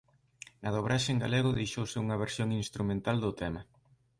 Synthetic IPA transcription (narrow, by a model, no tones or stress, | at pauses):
naðoβɾaʃɪŋɡa̰leɣ̞ʊðejʃowsɪuŋɐβ̞eɾsjoŋinst̪ɾumẽnt̪ald̪ʊt̪ɛmɐ